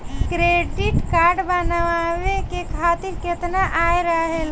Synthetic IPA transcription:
kɾeɖiʈkaɾɖbənaʋaʋekekʰat̪iɾket̪naʔajɾəɦel

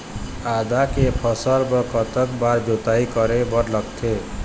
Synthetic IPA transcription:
ad̪akepʰʌsʌɾbʌkɔt̪ʌkbaɾd͡ʒot̪aikʌɾebʌɾlʌkt̪ʰe

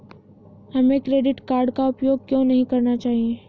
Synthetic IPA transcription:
hɐmẽkɾeːɖɪʈkaːɾɖkaʊpjoːɡ̚kjõːnɐɦĩkɐɾnat͡ʃaːɦieː

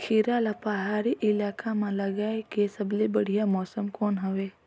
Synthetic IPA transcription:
kʰiɾaːlapaɦaːɾiʔɪlaːkamãlɐɡaːekesɐblebɐɽijamɔːsəmkɔːnɦɐʋeː

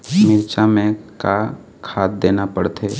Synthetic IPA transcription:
mɪɾt͡ʃamẽka | kʰaːt̪̚d̪eːnapəɽt̪ʰeː

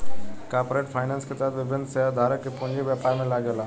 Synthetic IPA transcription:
kaɾpɾeːʈfʰaːjnanskʰet̪aːd̪ʋɪbʱɪnːsəɦad̪ʱaːɾəkepʊ̃ɲd͡ʑeʋjapaːɾmẽlaːɡəla

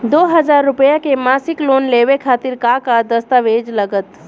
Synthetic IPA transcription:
d̪oːɦɐzaːɾːʊpəjakemaːsɪkloːnleːʋekʰaːt̪ɪɾkaːkad̪ɐst̪aʋeːd͡ʒlɐɡət̪

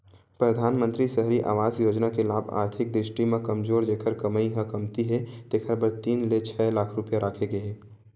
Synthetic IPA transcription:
pɾəd̪ʱaːnmə̃nt̪ɾisəɦɾiʔa̰ːʋaːzjod͡ʒnakelaːbʱa̰ːɾt̪ʰɪk̚d̪ɾɪsʈimekəmzoːɾd͡ʒekʰəɾkəməiɦə̃kəmt̪iɦɛt̪ekʰəɾbəɾt̪iːnlet͡ʃʰɛlaːkʰɾupjaɾʔaːkʰeɡeɦɛ

